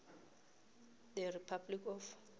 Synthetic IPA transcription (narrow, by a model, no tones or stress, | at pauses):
d̪əripʰablikɔf